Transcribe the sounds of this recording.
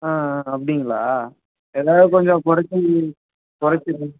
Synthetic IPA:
aːɐpːɐɽɪŋɡɐɭa̰ː | ɛðaːɾɯkɔɲd͡ʒɔ̃kʊɾɐt͡ʃːɯ | kʊɾɐt͡ʃːɯɾ

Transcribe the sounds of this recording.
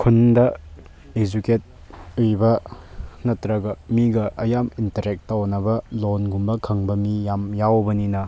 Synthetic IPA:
kʰundɐ | ed͡ʒuket̚ | ujbɐ | nɐtɾɐɡɐmiɡɐʔɐjamintɐɾek̚tːawnɐbɐlonɡumbɐkʰɐŋbɐmijamjawbɐninɐ

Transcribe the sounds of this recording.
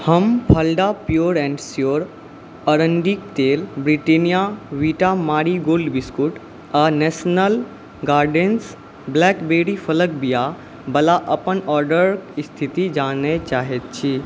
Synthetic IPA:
həmpʰəlɖapjuːɾɛ̃ːɳɖsjoɾ | əɾəɳɖik̚t̪eːlbɾiʈenijaʋiʈamaːɾiɡoːlɖbiskuʈ | aːnɛːsnəl | ɡaːɾɖens | blɛːkbeːɽipʰələk̚bija | bɐlaʔəpənɔːɾɖəɾkst̪ʰit̪id͡ʒaːnet͡ʃaːɦet̪̚t͡ʃʰi

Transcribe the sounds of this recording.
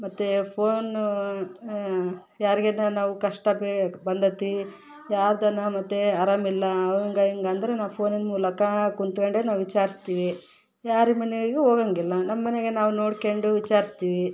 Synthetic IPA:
mɐt̪ːepʰoːn | jaːɾiɡenːɐnaːʋukɐʂʈɐbebɐnd̪ɐt̪ːi | jaːɾd̪ɐnɐmɐt̪ːeɐɾɐmilːɐɐʋɐŋɡɐiŋɡɐːnd̪ɐɾenaːpʰo̞ːninmuːlɐkɐkunt̪kɐɳɖenaːʋʋit͡ʃaːɾist̪iːʋi | jaːɾimɐneɡɭiɡeoːɡɐŋɡilːɐnɐmɐːɐneɡe̞naːʋuno̞ːɽkeɳɖuʋit͡ʃaːɾist̪iːʋi

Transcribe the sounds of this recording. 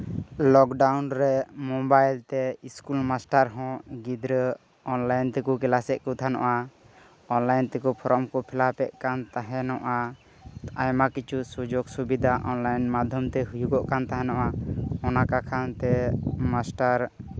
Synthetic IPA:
lɔkɖawnɾɛmɔbajlt̪ɛiskulmasʈaɾɦɔ̃ɡid̪ɾə | ɔnlajnt̪ɛkɔkɛlasɛʔ̪̚kut̪ʰanɔ̰ʔa | ɔnlajnt̪ɛkupʰɔɾɔmkɔpʰilapɛʔ̚kant̪aɦɛnɔʔa | ajmakit͡ʃʰusud͡ʒɔksubid̪ʱaʔɔnlajnmad̪ʱjɔmt̪ɛɦujuɡɔʔkant̪aɦɛnɔʔaɔnakakʰant̪ɛmasʈaɾ

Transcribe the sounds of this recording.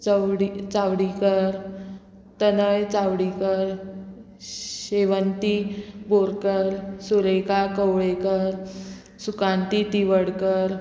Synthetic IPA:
t͡səwɽit͡sawɽikəɾ | t̪ənəjt͡sawɽikəɾ | ɕeʋənt̪iboɾkəɾsuɾəjkakəwɭekəɾ | sukãnt̪it̪iʋəɽkəɾ

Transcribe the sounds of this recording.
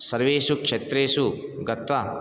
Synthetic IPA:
sɐɾʋeːsukʂet̪ɾeːsuɡɐt̪ʋɐ

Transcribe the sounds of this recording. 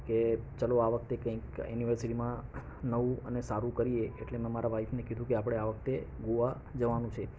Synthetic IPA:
ket͡ʃəloaʋək̚t̪ekə̃ĩkjuniʋəɾsiʈimã | nəʋũənesaɾũkəɾieḛʈlemɛ̃maɾaʋait̪nekid̪ʱũkeapəɽ̃eaʋəkt̪eɡuʋa | d͡ʒəʋanũt͡ʃʰe

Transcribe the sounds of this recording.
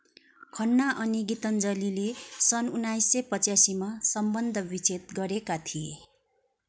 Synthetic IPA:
kʰʌnːaʔʌniɡit̪ʌnd͡zʌlilesʌnunajsːʌpʌt͡sasimasʌmbʌnd̪ʱʌbit͡sʰet̪̚ɡʌɾekat̪ʰie

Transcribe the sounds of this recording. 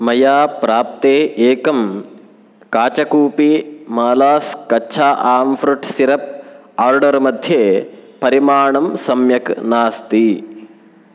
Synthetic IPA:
mɐjaːpɾaːp̚t̪eːʔeːkɐm | kaːt͡ʃɐkuːpimaːlaːskɐːʃʰaːʔaːmfɾuʈsiɾɐp̚aːɾɖɐɾmɐd̪ʱjeːpɐɾimaːɳɐmsɐmjɐknaːst̪i

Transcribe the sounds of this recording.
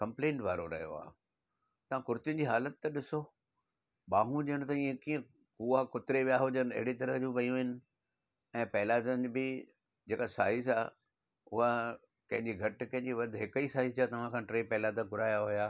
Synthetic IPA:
kɐ̃mplẽːɳʈʋaːɾoɾɐ̰ɦjo̰a̰ː | t̪ɐʋãkʊɾt̪ɪjʊnd͡ʑiːɦaːlət̪ːɐɗɪso | ɓaːɦũd͡ʑɐəñt̪ɐiẽkiːə̃ | kuakʊt̪ɪɾeʋijaɦʊd͡ʑənɐ̰ɦɪɽit̪ɐɾəɦd͡ʑũːʋɐijũɦɪnɪ̆ | ɛ̃ːpɛɦɪlaːzənɪd͡ʑbɪ | d͡ʑeːkasaːɪzaː | ʊɦa | kɐ̃ɦɪ̃ɲd͡ʑiɡʱɐʈkɐ̃ɦɪ̃ɲd͡ʑiʋɐd̪ʱɦɪkiːsaːɪzd͡ʑat̪ɐʋ̤ãkʰãːʈɾeːpɛɦlaːd̪ãkʊɾaːjaɦʊjaː

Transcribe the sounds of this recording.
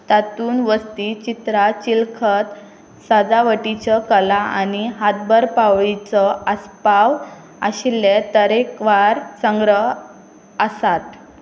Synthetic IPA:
t̪at̪uːnʋəst̪it͡ɕit̪ɾat͡ɕilkʰət̪ | sad͡zaʋəʈit͡ɕəkəlaañiɦat̪̚bəɾpaʋɭit͡sɔəspaʋ | a̰ɕilːet̪əɾekʋaɾsəŋɡɾəɦ | əsat̪̚

